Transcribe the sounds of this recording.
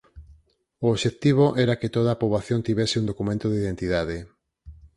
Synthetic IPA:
ooβʃet̪iβ̞oʔɛɾaket̪oðaːpoβlaθjont̪iβɛsɪund̪okumẽnt̪oðeiðent̪iðaðe

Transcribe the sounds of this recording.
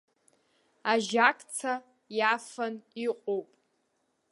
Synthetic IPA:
aʒakʰʼt͡sʰa | jafaniqʷʼowpʼ

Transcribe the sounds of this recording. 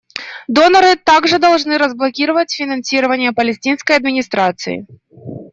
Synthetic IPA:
d̪ɔnɐɾɨt̪aɡʐɨd̪ɐlˠʐnɨɾɐzblˠɐkʲiɾɐvɐt͡sʲfʲinɐnsʲiɾɐvɐnʲɪjɐpɐlʲɛsʲtʲinskɐjɐd̪mʲɪnʲist̪ɾat̪sɨ̰jḭ

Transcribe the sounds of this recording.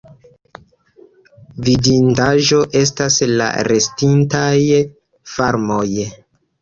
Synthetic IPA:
vidindaʒo̞ʔe̞s̬tasla̰ɾe̞stintaj | faɾmo̞j

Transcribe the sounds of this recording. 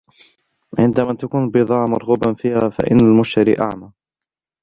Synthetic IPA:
ʕɪnd̪amaːt̪akuːnbɨðˤɑːʕmʊɾˤɣuːbanfiːhaːfa̰ʔɪ̰nːalmʊʃt̪aɾḭːʔa̰ʕmaː

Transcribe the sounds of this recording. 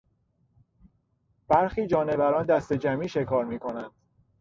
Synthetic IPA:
b̥æɾxiːd͡ʒɒːne̞væɾɒːnd̪æst̪e̞d͡ʒæmiːʃe̞kʰɒːɾmiːkʰo̞nænd̪̥

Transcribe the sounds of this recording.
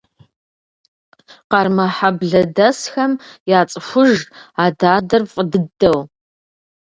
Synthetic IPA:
qɑrmɐħabɮɐdɐsxɐmjaːt͡sʼɨʃʷʊʒaːdaːdɐrfʼədɨdɐw

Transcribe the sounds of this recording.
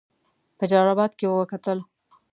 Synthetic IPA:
pəd͡ʒɑɾɑbɑd̪kewəwəkat̪əl

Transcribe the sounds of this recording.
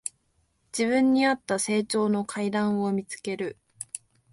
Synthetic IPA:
d͡ʑiβɯ̃ɲ̟ːiat̪ːase̞ːt͡ɕo̞ːno̞kʰaid̪ãɰ̃o̞mʲit͡sɨ̥ke̞ɾɯ̟

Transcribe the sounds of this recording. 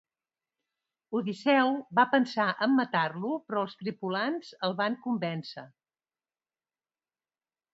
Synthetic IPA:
uðisɛwβapənsaʔəmːət̪arlupɾɔːlˠst̪ɾipulanz̥əlˠβaŋkumbɛnsə̰

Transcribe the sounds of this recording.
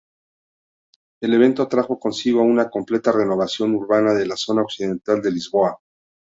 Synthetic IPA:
e̞le̞β̞e̞nt̪o̞t̪ɾaxo̞ko̞nsiɣ̞oaunako̞mple̞t̪are̞no̞βasjo̞nuɾβanaðe̞laso̞nao̞ksið̞e̞nt̪ald̪e̞lizβo̞a

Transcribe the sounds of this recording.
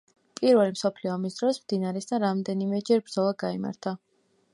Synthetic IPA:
pʼiɾvɛlimsɔpʰliɔamisd̪ɾɔsmd̪inaɾɛsd̪aɾamd̪ɛnimɛd͡ʒɛɾbɾd̪zɔlˠaɡaima̰ɾt̪ʰa

